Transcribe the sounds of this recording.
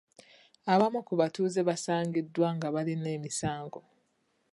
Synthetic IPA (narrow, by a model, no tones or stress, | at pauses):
aβamukuβatuːze̞βasaːŋɡidːwaŋɡaβaline̞ːmisaːŋɡo